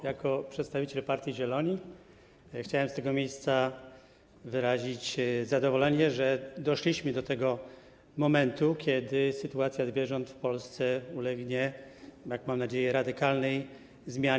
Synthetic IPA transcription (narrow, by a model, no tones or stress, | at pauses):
jakɔpʂɛt̪st̪avʲit͡ɕɛlpaɾt̪ʲjiʑɛlɔɲi | xt͡ɕawɛmst̪ɛɡɔmʲjejst̪sa | vɘɾaʑit͡ɕzad̪ɔvɔlɛɲɛʐɛd̪ɔʂlʲiɕmɘd̪ɔt̪ɛɡɔ | mɔmɛnt̪ukʲjɛd̪ɘsɘt̪uat̪sʲjazvʲjɛʐɔnt̪fpɔlst̪sɛulɛɡɲɛjakmamnad͡ʑejɛɾad̪ɘkalnɛj | zmʲja